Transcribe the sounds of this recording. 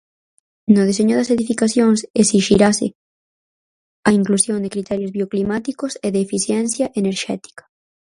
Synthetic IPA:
nʊð̞eseɲʊðɐseðifikaθjoŋsesiʃiɾasɪ̰ | aiŋklusjõnd̪ekɾit̪ɛɾjozβioklimat̪ikoseðeːfiθjɛnθjɐʔeneɾʃɛ̰t̪i̥kɐ̥

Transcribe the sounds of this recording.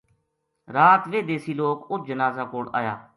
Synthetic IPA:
ɾaːt̪ʋeːd̪eːsiːloːkʊd͡ʒənaːzaːkoːɽa̰ːjaː

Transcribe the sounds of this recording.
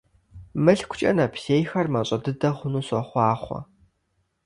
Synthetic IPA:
mɨɬkʷʊ̥t͡ʃʼɐ̰nɐpʰɬeːjxɐrmɐɕʼɐdɨdɐχʷʊnuːsʼɔχʷɑːχʷɔ̰

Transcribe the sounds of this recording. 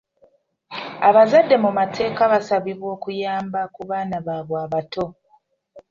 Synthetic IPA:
aβazadːe̞mumatʰe̞ːkaβasaβiβwo̞ːkujaːmbakuβaːnaβaːβwaːβato̞

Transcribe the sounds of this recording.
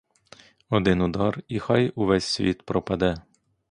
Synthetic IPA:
ɔd̪ɪnʊd̪ɑrixɑjuʋɛsʲsʲʋʲit̪pɾɔpɐd̪ɛ

